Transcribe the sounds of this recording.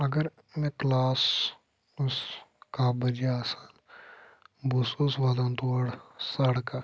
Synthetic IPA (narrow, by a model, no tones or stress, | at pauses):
ɐɡəɾ | mɛ̃ːklaːs | ʊskaːbəd͡ʒiaːsan | bususʋaːd̪ãːnt̪oəɽsəɽka